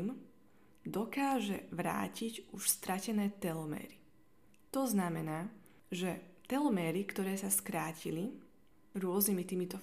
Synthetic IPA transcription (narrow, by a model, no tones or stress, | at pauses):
m | d̪ɔkaːʒɛ̰ʋɾa̰ːciɟuʃst̪ɾʔacɛnɛːt̪ɛlmɛ̰ːɾi | t̪ɔznamɛnaː | ʒɛt̪ɛlmɛːɾikt̪ɔɾɛːsaskɾaːcili | ɾʊɔznimit̪iːmit̪ɔ